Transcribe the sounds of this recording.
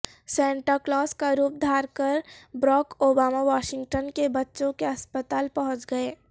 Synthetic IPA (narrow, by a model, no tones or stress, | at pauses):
sɛ̃ːɳʈəɾklaːskaɾuːp̚d̪ʱaːɾkəɾbɾɔːkoːbaːmaʋaːʃɪ̃ŋɡʈənkebɐtːʃõkeɐspət̪aːlpɐɦʊ̃t͡ʃɡɐeː